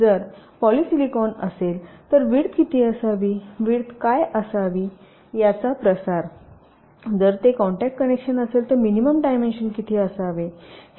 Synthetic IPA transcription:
d͡zəɾpɔlisilikɔnə̰selt̪əɾʋiɽkit̪ʰiːəsaʋiʋiːɽkajəsaʋiː | jat͡sapɾəsaɾ | d͡zəɾt̪ekɔɳʈɛk̚ʈ̚kənekɕənəselt̪əɾminiməmɖajmenɕənkit̪ʰiəsaʋe

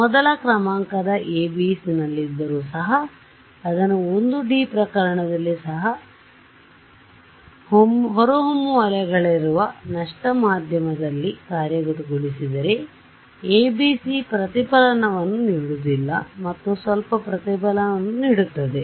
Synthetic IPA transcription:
mɔd̪ɐlɐkɾɐmaːŋkɐd̪ɐʔeːbisinɐlːid̪ːɐɾuːsɐɦɐː | d̪ɐnuond̪uɖiːpɾɐkɐɾɐɳɐd̪ɐlːisɐɦɐ | hmɦɔɾoɦomːuʋɐlɛɡɐɭiɾuʋɐnɐʂʈɐmaːd̪ʱjɐmɐd̪ɐlːikaːɾjɐɡuʈ̪uɡoɭisid̪ɐɾe̞ | eːbiːsipɾɐt̪ipɐlɐnɐʋɐnːuniːɽud̪ilːɐ̰mɐt̪ːusʋɐlpɐpɾɐt̪ipɐlɐnɐnːuniːɽut̪ːɐd̪e̞

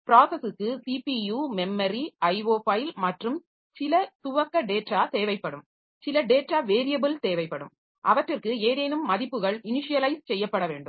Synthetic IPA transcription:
pɪɾaːsɐsɯkːɯsipijuːmɛmːɐɾiɐɪʋoːpɐːjɪlmɐʈrɯm | sɪlɐt̪ʊʋɐkːɐɖeːʈːaːt̪eːʋɐɪpːɐɽɯm | sɪlɐɖeːʈːaːʋeːɾɪjɐbɯlt̪eːʋɐɪpːɐɽɯ̰m | ʔɐʋɐʈrɪrkɯeːðeːnɯmːɐðɪpːɯɣɐɭɪnɪʂɪjɐlɐɪst͡ʃɛjːɐpːɐɽɐʋḛːɳɖɯm

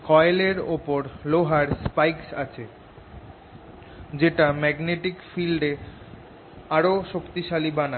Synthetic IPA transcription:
kʰɔeleɾopoɾloɦaɾspajksa̰t͡ɕʰe | d͡ʑeʈamɛɡneʈikfilɖe | aɾoʃokt̪iʃalibana

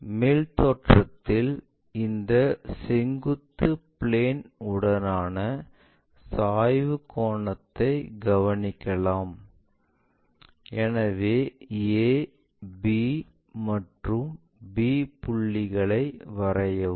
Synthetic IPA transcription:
meːlt̪oːʈrɐt̪ːɪl | ɪnd̪ɐsɛŋɡɯt̪ːɯpɪɭeːnʊɽɐnaːnɐ | saːjʋɯkoːɳɐt̪ːɐɪɡɐʋɐnɪkːɐlaːm | ɛnɐʋeːeː | biː | mɐʈrɯm | biːpʊɭːɪɣɐɭɐɪʋɐɾɐjɐ

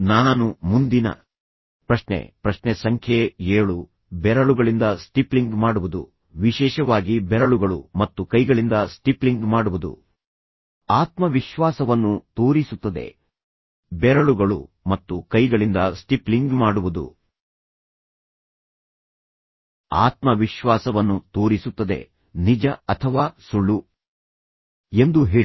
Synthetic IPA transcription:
naːnumund̪inɐ̰ | pɾɐʃnḛpɾɐʃnesɐŋkʰjeeːɭu | bɛɾɐɭuɡɐɭind̪ɐsʈipliŋɡmaːɽuʋud̪ṵ | ʋiʃɛːʃɐʋaːɡibɛɾɐɭuɡɐɭumɐt̪ːukɐjɡɐɭind̪ɐsʈipliŋɡmaːɽuʋud̪ṵ | aːt̪mɐʋiʃʋaːsɐʋɐnːut̪oːɾisut̪ːɐd̪e̞̰ | bɛɾɐɭuɡɐɭṵmɐt̪ːukɐjɡɐɭind̪ɐsʈipliŋɡmaːɽuʋud̪ṵ | a̰ːt̪mɐʋiʃʋaːsɐʋɐnːut̪o̞ːɾisut̪ːɐd̪e̞̰ | nid͡ʒɐɐt̪ʰɐʋaːsuɭːu | e̞nd̪uɦeː

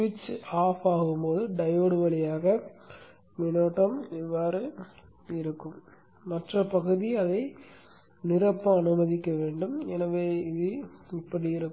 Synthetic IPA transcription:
ʋɪt͡ʃːaːfaːɣɯmpoːðɯɖɐjoːɽɯʋɐɭɪjaːɣɐ | mɪnoːʈːɐmɪʋːaːɾɯ | ɪɾɯkːɯmː | ɐʈrɐpɐɣɯðiɐðɐɪ | nɪrɐpːɐɐnɯmɐðɪkːɐʋeːɳɖɯmɛnɐʋeːɪðɯɪpːɐɽiɪɾɯkː

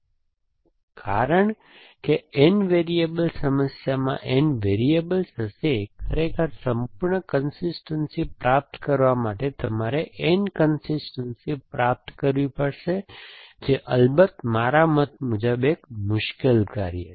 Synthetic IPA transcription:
kʰaɾəɳ | keɪnʋeɾiebəlsəməsjamã̰ʔenʋeɾiebəlsəsekʰəɾekʰəɾsəmpuɾɳəkənsisʈənsipɾap̚t̪kəɾʋamaʈet̪əmaɾeʔenkənsisʈənsipɾap̚t̪kəɾʋipəɽʃed͡ʒeʔəlbət̪maɾamət̪̚mʊd͡ʒəbekmʊʃkelkaɾijḛ

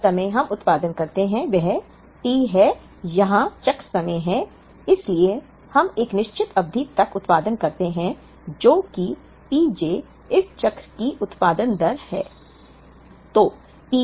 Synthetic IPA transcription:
sɐmə̃jɦɐmʊt̪paːd̪ənkɐɾt̪eɦɛ̃ʋɛɦɛ | piːɦɛ | jɐɦãt͡ʃɐkɾsɐməɦɛ̃ | ɪslie | hɐmeːknɪʃt͡ʃɪt̪ʰɐb̚d̪ʱit̪ɐkʊt̪paːd̪ənkɐɾt̪eɦɛ̃ | d͡ʒoːki | piːd͡ʒeː | ɪst͡ʃɐkɾkiʔʊt̪paːd̪ənd̪ɐɾhɛ̰ː | t̪oː | piː

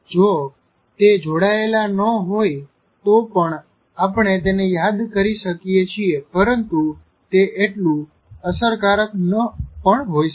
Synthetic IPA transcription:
d͡ʒo | t̪ed͡ʒoɽaelanəɦoj | t̪opəɳ | apɳ̃et̪enejad̪kəɾiʃəkijet͡ʃʰiepəɾənt̪u | t̪eʔeʈlũ | əsəɾkaɾəknəpəɳɦoj

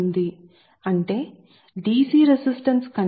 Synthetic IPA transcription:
nd̪i | ɐɳʈe̞ː | ɖiːsiːɾesisʈɐnskɐn

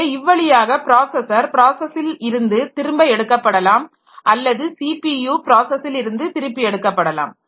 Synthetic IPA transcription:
ɪʋːɐɭɪjaːɣɐpɪɾaːsɐsɐɾpɪɾaːsɐsɪlɪɾɯnd̪ɯt̪ɪɾɯmbɐɪɛɽɯkːɐpːɐɽɐlaːm | ʔɐlːɐðɯsiːpijuːpɪɾaːsɐsɪlɪɾɯnd̪ɯt̪ɪɾɯpːiɛɽɯkːɐpːɐɽɐla̰ːm

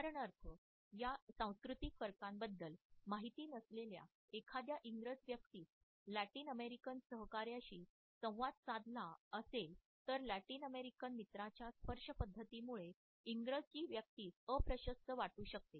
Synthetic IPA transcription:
aɾəɳəɾp̪ʰə | jasãw̃skɾut̪ikfəɾkãmbəd̪ːəlmaɦit̪iːnəslelja̰ | ekʰad̪jaʔiŋɡɾəd͡zʋjək̚t̪iːs | læʈiːnəmeɾikənsəɦkaɾjaɕiː | sə̃w̃ʋad̪̚sãd̪ʱlaəsel | t̪əɾlæʈiːnəmeɾikənmit̪ɾat͡ɕjaspəɾʂəpəd̪ʱːət̪imuɭe | iŋɡɾəd͡zt͡ɕiːʋjək̚t̪iːsəpɾəɕəst̪əʋaʈuːɕək̚t̪e

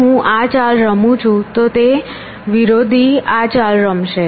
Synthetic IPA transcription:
ɦũʔat͡ʃalɾəmũt͡ʃʰũt̪ot̪e | ʋiɾod̪ʱiat͡ʃalɾəmʃe

